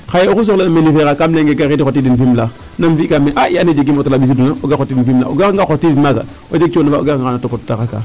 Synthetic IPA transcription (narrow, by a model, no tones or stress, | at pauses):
xajeous̬oklenamelifeɣakamleŋɡeɡaɣidixotidinfimla | namfikameʔaʔianed͡ʒeɡimotolabis̬idunaoɡaxotidinfimla̰oɡaŋɡaxotivimaɡa̰ | od͡ʒet͡ʃonavao̰ɡaŋɡaanatopottakaka̰